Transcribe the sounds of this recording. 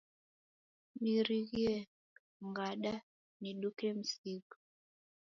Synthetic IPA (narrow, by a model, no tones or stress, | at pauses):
miɾiɣiɛ | ŋɡaɗa | niɗukɛm̩sikɔ̥